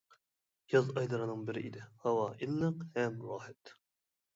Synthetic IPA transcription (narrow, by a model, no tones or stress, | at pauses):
jɑzɑjd̪ɨɾɨnɨŋbɪɾɪʔid̪ɪhɑwɑːʔilˠːɨqhɛmɾɑːhɛt̪